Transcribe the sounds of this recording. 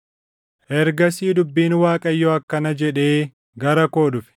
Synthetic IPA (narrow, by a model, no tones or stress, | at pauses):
ʔɛɾɡɐsiːd̪ʊbːiːnwaːkʼɐjːɔɐkːɐnɐd͡ʒɛᶑe̞ː | ɡɐɾɐko̞ːᶑʊfɪ̥